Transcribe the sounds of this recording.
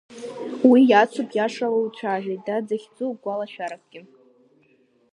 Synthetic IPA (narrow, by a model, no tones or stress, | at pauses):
wijat͡sʷʰupʰjaʂalowt͡ɕʷʰaːʒᶣejdad͡zaχʲd͡zuɡʷalaʃᶣaɾak̚ʰɡ̥ʲɪ